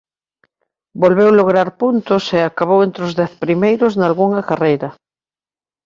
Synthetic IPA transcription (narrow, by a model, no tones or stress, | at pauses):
bolβewloɣ̞ɾaɾpunt̪ʊseakaβ̞owent̪ɾozðɛθpɾimejɾoznalɣuŋakarejɾɐ